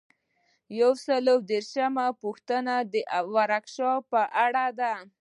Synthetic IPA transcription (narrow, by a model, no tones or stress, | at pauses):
jawsəlowd̪eɾʃamapuxt̪ənad̪əʔwaɾakʃɑpəʔaɽad̪a